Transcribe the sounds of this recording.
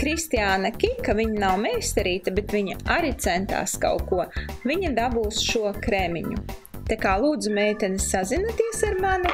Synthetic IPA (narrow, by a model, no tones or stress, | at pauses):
kɾist̪iaːnakʲikavʲiɲanawmɛjsʲt̪ɛɾiːt̪abet̪vʲiɲaaɾit̪sɛnt̪a̰ːska̰wkuɔvʲiɲad̪abuːsʃuɔkɾemʲḭɲṵ | t̪akaːlˠuːd̪zumɛjt̪ʲɛnsːazinat̪iɛsiɾmani